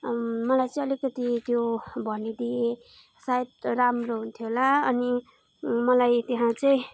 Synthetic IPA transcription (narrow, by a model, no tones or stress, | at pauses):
mʌlajt͡sʌĩʌlikʌt̪it̪jobʱʌnid̪ie | sajet̪ramroɦunt̪ʰjoɦolaʌni | mʌlajt̪eɦãt͡sʌĩ